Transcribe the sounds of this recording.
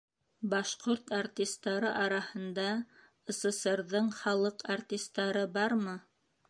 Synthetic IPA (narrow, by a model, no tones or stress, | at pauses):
bɑʃqoɾt̪art̪ʲist̪ːɑɾɤʔɑɾɑhɤ̆nd̪ɑ | ɤ̆sɤ̆sɤ̆ɾðɤɴχɑlˠɤqart̪ʲist̪ːɑɾɤbɑɾmɤ